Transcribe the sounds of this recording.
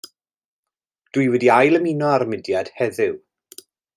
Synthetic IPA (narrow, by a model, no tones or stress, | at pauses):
d̥wɨjwɛdiajlˠəminɔaɾmɪdjad̥hɛðɪw